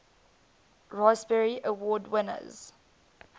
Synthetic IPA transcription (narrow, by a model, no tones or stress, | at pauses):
ɹaɪsbɛɹiʔəwɔːdwɪnə̰z̥